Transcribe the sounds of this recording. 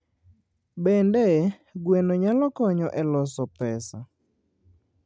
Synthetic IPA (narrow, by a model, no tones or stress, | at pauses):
bɛndɛ | ɡwenoɲalɔkɔɲɔʔɛlɔsɔpɛsa̰